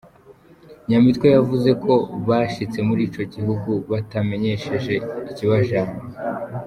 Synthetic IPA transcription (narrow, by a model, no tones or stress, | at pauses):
ɲamitkwejavuze̞kʰo̞βaːʃit͡se̞muɾiːt͡ʃo̞ɟihuɡuβatame̞ɲe̞ʃe̞ʒe̞iciβaʒa